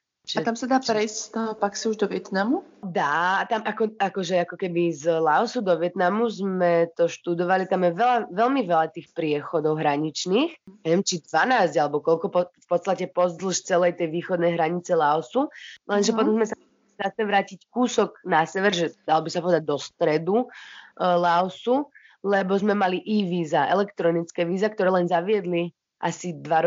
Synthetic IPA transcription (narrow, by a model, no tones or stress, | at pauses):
at̪amsad̪aːpɾɛjst̪ɔpaksiuʒd̪ɔʋɪɛt̪namud̪aːt̪amʔakɔakɔʒɛakɔkɛbizlaɔsud̪ɔʋɪɛt̪namuzmɛt̪ɔʃt̪ud̪ɔʋalit̪amjɛʋɛlaʋɛlmiʋɛlat̪iːxpɾɪɛxɔd̪ɔʊɦɾaɲit͡ʃniːxɲaʋɪɛmt͡ʃid̪ʋanaːzɟalɛbɔkɔlkɔpɔfpɔt̪st̪acɛpɔzd̪l̩ˠʃt͡sɛlɛjt̪ɛjʋiːxɔd̪nɛjɦɾaɲit͡sɛlaɔsulɛnʒɛpɔt̪ɔmzmɛsa | izat͡ʃɲɛʋɾaːcickuːsɔɡnasɛʋɛɾʒɛd̪̥alɔbisapɔʋɛd̪aɟ̚d̪ɔst̪ɾɛd̪u | laɔsu | lɛbɔzmɛmaliʔiʋiːzaʔɛlɛkt̪ɾɔnit͡skɛːʋiːzakt̪ɔɾɛːlɛnzaʋɪɛd̪li | ʔa̰sid̪ʋaɾ